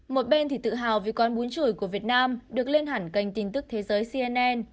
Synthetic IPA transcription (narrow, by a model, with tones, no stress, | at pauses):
mo˨˩t̚ɓe˧nt̪ʰi˨˩t̪ɨ̰˧˨ɦaː˨˩wvḭ˨˩kɔ˨˦nɓu˨˦ənt͡ɕu˧˩˨jku˧˩əvi˨˩ət̚naː˧mɗɨ˨˩ək̚le˧nɦaː˧˩ŋka˧˩jŋ̟t̪i˧˩nt̪ɨ˦˥k̚t̪ʰe˨˦zəː˨˦jsi˧ʔɛ˧nʔɛ˧n